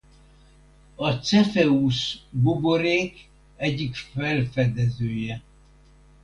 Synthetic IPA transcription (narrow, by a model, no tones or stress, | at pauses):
ɒt̪sɛfɛuʃboboɾeːk | ɛɟːikfɛlfɛd̪ɛzøːjɛ